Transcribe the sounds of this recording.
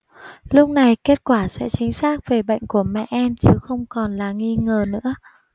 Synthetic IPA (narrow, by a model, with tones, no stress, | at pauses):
lʊ˦˥k͡p̚na˨˩jke˦˥t̚kwaː˧˩sɛ̰˧˥t͡ɕï˨˦ŋ̟saː˦˥k̚ve˨˩ɓə̰˧˨jŋ̟ku˧˩əmɛ̰˧˨ʔɛ˧mt͡ɕɨ˨˦xə˧wŋ͡mkɔ˨˩nlaː˨˩ŋi˧ŋəː˨˩nɨ̰˧˥ə